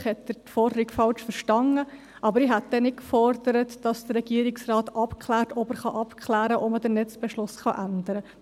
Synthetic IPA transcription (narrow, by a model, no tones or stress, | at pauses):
χhɛtdətfɔrdəɾiɡfɑlʃfəɾʃtɑnə | ʔɑbəɾiɦæt̚d̥ɛnɪtkfɔrd̥̪əɾətd̥ɑsd̥ərɾɛɡ̥iəɾɪksrɑːtɑpkʰχlæːɾtɔbəɾχɑʔɑpkʰχlæːɾəʔɔmədənɛt͡sb̥ɛʃlʊsχɑʔændəɾə